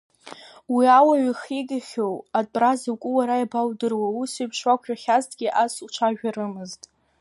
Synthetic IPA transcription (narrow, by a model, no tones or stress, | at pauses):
wiawaɥiχiɡʲʼaχʲowatʼrazakʷʼʊwaɾajbawdɨrwausiɥpʰʂwakʷʰʼᶣaχʲaztʰʼɡʲiʔasut͡ʃʷʰaʒᶣaɾɨmɨztʼ